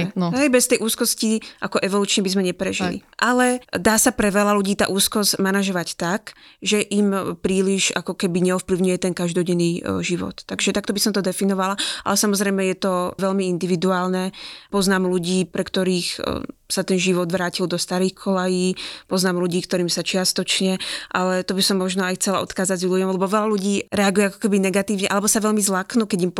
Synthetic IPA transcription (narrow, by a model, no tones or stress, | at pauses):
ɦɛjbɛst̪ɛjʔuːskɔsciʔakɔʔɛʋɔluːt͡ʃɲɛbizmɛɲɛpɾɛʒḭlḭʔalɛd̪aːsapɾɛʋɛlaluɟiːt̪a̰ːʔuːskɔzmanaʒɔʋact̪akʒɛʔimpɾiːliʒakɔkɛbiɲɛɔfpliʊɲujɛt̪ɛŋkaʒd̪ɔɟɛnːiːʒiʋɔ̰t̪ːaɡʒɛt̪akt̪ɔbisɔmt̪ɔd̪ɛfinɔʋalaʔa̰lɛsamɔzɾɛjmɛjɛt̪ɔʋɛʎmiind̪iʋid̪uaːlnɛpɔznaːmluɟiːpɾɛkt̪ɔɾiːxsat̪ɛnʒiʋɔd̪ʋɾaːcild̪ɔst̪aɾiːxkʰɔlajiːpɔznaːmluɟiːkt̪ɔɾiːmsat͡ʃɪast̪ɔt͡ʃɲɛʔalɛt̪ɔbisɔmːɔʒnɔajxt͡sɛlaɔ̰t̪xaːd͡zaɟzʎuɟɔmlɛbɔʋɛlaluɟiːɾɛaɡujɛakɔ̥kɛbinɛɡat̪iːʊɲɛʔalɛbɔsaʋɛʎmizlaknukɛɟim